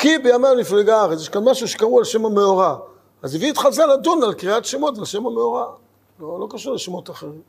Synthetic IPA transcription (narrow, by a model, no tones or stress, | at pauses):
kibejamenifleɡaaʁet͡sjeʃkanmaʃuʃe̥kaʁualʃe̞mameoʁa | aziviit̪χalzaladunalkʁiatʃemo̞tvalʃe̞mameoʁa | lolo̞kaʃuʁleʃemotaχeʁim